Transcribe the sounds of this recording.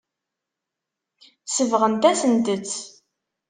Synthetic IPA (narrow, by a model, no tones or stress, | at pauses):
səvʁənt̪æsənt̪ət͡sː